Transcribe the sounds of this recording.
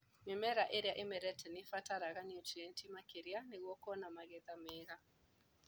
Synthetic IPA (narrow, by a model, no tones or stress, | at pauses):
mɪmɛɾaʔeɾjaʔemɛɾɛtʰɛnɪfataɾaɣaniɔtiɛntimakeɾianeɣwɔkɔnamaɣɛðamɛɣa